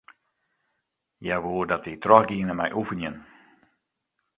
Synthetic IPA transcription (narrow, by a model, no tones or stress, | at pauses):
jaʋoːərdɔtitrɔxɡiənəmɛjʔufənjən